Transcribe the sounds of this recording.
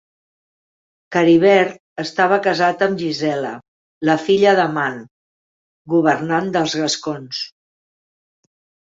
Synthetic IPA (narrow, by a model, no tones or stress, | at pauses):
kəɾiβ̞ɛɾ | əst̪aβ̞əkəzat̪əmʒizɛlə̰ | ləfiʎəðəman | ɡuβəɾnand̪əlˠzɣəskons